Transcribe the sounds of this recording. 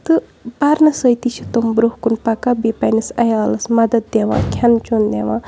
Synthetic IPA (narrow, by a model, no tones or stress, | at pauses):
t̪ɨ | paɾnɐsəjt̪it͡ʃʰi̥t̪ombɾohkunpɐkabipɐnisɐjaːlɐsmɐd̪ɐd̪̚d̪eʋã̰ːkʲʰɐnt͡ʃond̪eʋãː